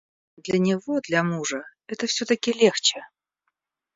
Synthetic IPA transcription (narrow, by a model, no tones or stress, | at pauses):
d̪lʲɐnʲɪvo̞d̪lʲɐmuʐəɛt̪əfsʲɵt̪əkʲɪlʲe̞xt͡ɕɪ